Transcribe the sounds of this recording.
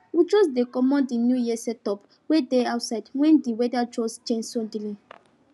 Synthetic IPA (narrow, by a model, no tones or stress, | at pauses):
wit͡ʃosdekɔmɔ̃ndinjujisɛtɔp | wedeawtsaɪdwɛ̃ndiwɛdat͡ʃɔsd͡ʒẽnsɔ̃ndilĩ